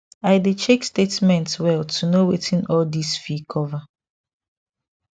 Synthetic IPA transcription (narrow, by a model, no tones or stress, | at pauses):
aɪdet͡ʃekstetmɛ̃ntswɛltʰunowetʰĩnɔldisfikʰɔva